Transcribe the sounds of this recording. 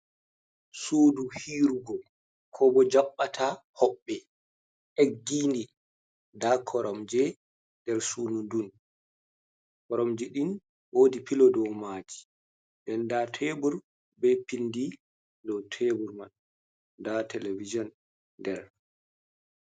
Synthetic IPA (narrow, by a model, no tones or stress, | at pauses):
suːduhiːɾuɡɔ | kʰɔbɔd͡ʒaɓːatʰahɔɓːɛ | ʔeɡːindi | dakʰɔɾɔmd͡ʒɛ | dɛɾsuːnundun | kɔɾɔmd͡ʒiɗin | woːdipilɔdɔwmaːd͡ʒi̥ | dɛndatʰɛbuɾ | bɛpindi | dɔtʰebuɾmaɗ | datʰɛlevid͡ʒɔn | dɛɾ